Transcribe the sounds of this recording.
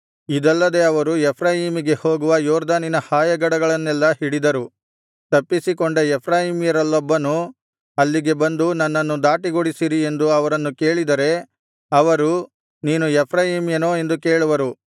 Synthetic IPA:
id̪ɛlːɐd̪e̞ɐʋɐɾuɛpʰɾaːjimiɡe̞ho̞ːɡuʋɐjɔːɾd̪aːninɐhaːjɐɡɐɽɐɡɐɭɐnːɛlːɐhiɽid̪ɐɾu | t̪ɐpːisikɔɳɖɐɛpʰɾaːjimijɐɾɐlːɔbːɐnu | ɐlːiɡe̞bɐnd̪unɐnːɐnːud̪aːʈiɡoɽisiɾie̞nd̪uɐʋɐɾɐnːuke̞ːɭid̪ɐɾe̞ | ɐʋɐɾu | niːnuɛpʰɾaːjimjɐno̞ːe̞nd̪uke̞ːɭuʋɐɾu

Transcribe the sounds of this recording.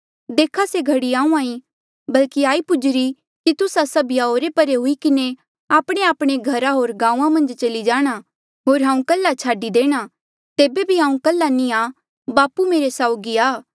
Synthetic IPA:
d̪eːkʰaseɡʱɐɽiãːũãːĩ | bɐlkiaːipʊd͡ʒɾi | kit̪ʊsasɐbʱɪjaoːɾepɐɾeɦʊikɪne | aːpɽ̃eaːpɽ̃eɡʱɐɾaɦoːɾɡãːũːãmɐ̃nd͡ʒt͡ʃɐlid͡ʒaːɽ̃a | ɦoːɾɦãːũkɐlːat͡ʃʰaːɖid̪eːɽ̃a | t̪eːbebʱiɦãːũkɐlːanĩaː | baːpumeːɾesaːʊɡiaː

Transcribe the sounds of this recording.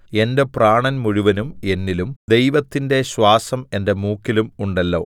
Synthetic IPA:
e̞nde̞praːɳɐnmuɻuʋɐnume̞nːilumd̪e̞jʋɐt̪ːinde̞ɕwaːsɐme̞nde̞muːkːilumuɳɖɐlːo̞̰ː

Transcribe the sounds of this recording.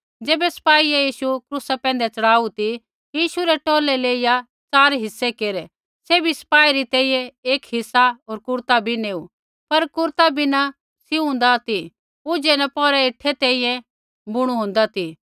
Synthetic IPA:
d͡ʒeːbɛsɐ̥paːiejiːʃukɾusapɛ̃ːnd̪ɛt͡sɐɽaːut̪i | jiːʃuɾɛʈoːlɛleːɪja | t͡saːɾɦɪsːekeːɾɛ | sebʱisɐ̥paːiɾit̪ɛ̃ːĩːjɛ̃eːkɦɪsːaɦoːɾkʊɾt̪abʱineːu | pɐɾkʊɾt̪abʱina | sɪũn̆d̪at̪i | ʊd͡ʒenɐpɔːɾɛɪʈʰːɛt̪ɛ̃ːĩjɛ̃ | bʊɽ̃uɦʊ̃ːn̆d̪at̪ʰi

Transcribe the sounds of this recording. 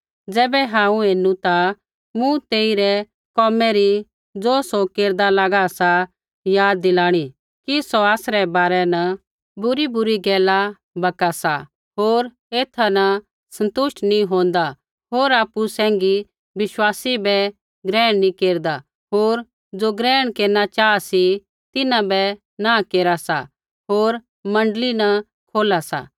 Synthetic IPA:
d͡zɛːbɛɦãːũeːnũt̪a | mũt̪eːiɾɛ | kɔːmɛɾi | d͡zoːsɔkeːɾd̪alaɡasa | jaːd̪ːɪlaːɽ̃i | kisɔaːsɾɛbaːɾɛnɐ | bʊɾibʊɾiɡɛːla | bɐkasa | ɦoːɾ | eːt̪ʰanɐ | sɐ̃nt̪ʊʃʈnĩɦõːnd̪a | ɦoːɾaːpusɛ̃ːŋɡi | ʋɪʃwaːsibɛ | ɡɾɛːɽ̃nĩkeːɾd̪a | ɦoːɾ | d͡ʒoːɡɾɛːɽ̃keːɾnat͡ʃaːasi | t̪ɪnãbɛ | nãkeːɾasa̰ | ɦoːɾ | mɐ̃ɳɖlinɐ | kʰoːlasa̰

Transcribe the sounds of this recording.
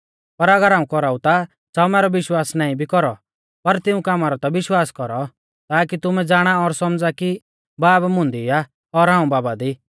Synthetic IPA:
pɐɾɐɡəɾɦãːũkɔɾaːũt̪a | saːumɛːɾɔʋɪʃwaːsnaːĩbʱikɔɾɔ | pɐɾt̪ɪũkamaɾɔt̪aʋɪʃwaːskɔɾɔ | t̪aːk̬it̪ʊmɛd͡zaːɽ̃aɔɾsɔmd͡zaki | baːbmʊ̃nd̪ia | ɔɾɦãːũbaːbad̪i

